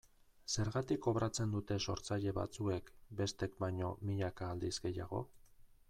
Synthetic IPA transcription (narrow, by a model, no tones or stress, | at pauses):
se̞ɾɣat̪iko̞βɾat͡se̞nd̪ut̪e̞so̞ɾt͡saʎe̞βa̰t͡sue̞kbe̞st̪e̞k̚bajɲo̞miʎakaːld̪izɡe̞jaɣ̞o̞̰